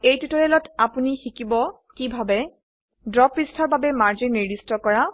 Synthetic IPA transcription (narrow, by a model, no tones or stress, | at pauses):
ejtutɔɹɛlɔtapunixikibɔ | kibʱabɛ | dɹɔpɹistʰɔɹbabɛmaɹd͡ʒinːiɹdistɔkɔɹa